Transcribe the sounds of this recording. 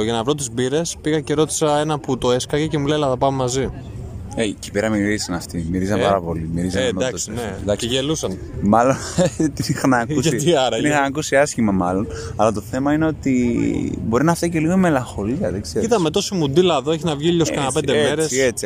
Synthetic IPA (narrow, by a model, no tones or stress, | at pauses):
ʝɐnɐvɾo̞t̪̬izbiɾe̞spiɣɐce̞ɾo̞t̪i̥sɐe̞nɐput̪o̞eskɐʝecemulelɐθɐpɐmemɐzi | eici̥peɾɐmiɾisɐnɐft̪imiɾizɐmpɐɾɐpo̞limiɾizɐemd̪ɐkssined̪ɐeʝelusɐn | mɐlont̪inixɐnɐkusɐt̪iɐɾɐinixɐnɐkusiɐscimɐmɐlo̞nɐlɐt̪o̞θe̞mɐineo̞t̪i | bo̞ɾinɐfesceliɣoime̞lɐŋxo̞liɐðeɡz̥eɾit̪ɐme̞t̪o̞simud̪ilɐðo̞e̞çinɐvʝiʎoskɐnɐpend̪eme̞ɾeset͡si